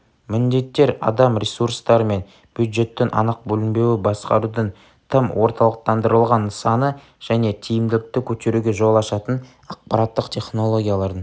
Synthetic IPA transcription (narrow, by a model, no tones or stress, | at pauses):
mɪnd̪e̞t̪ːe̞ɾɑ̰d̪ɑmɾʲesuɾst̪ɑɾəme̞n | b̥jud̪ʒe̞t̪ːenʔɑ̰nəq̚bɵlɪmbe̞wɪbɑsqɑ̰ɾud̪ən | t̪ʰəmwʔo̞ɾt̪ɑlˠəq̚t̪ɑnd̪əɾəlˠʁɑnsɑnə | ʒ̥æne̞t̪ʰijɪmd̪ɪlɪk̚t̪ɪkʲʰɵt̪e̞ɾuɡʲe̞ʒo̞lˠɑʃɑt̪ən | ɑq̚pɑɾɑt̪ːəqt̪ʲʰe̞χno̞lˠo̞ɡʲijalˠɑɾən